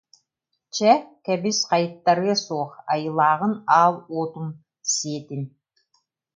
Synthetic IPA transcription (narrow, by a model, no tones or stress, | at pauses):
t͡ʃɛkɛbisqɑjɯt̪ːaɾɯɐsuɔχajɯlˠaːʁɯnaːlˠoːt̪um | siɛt̪in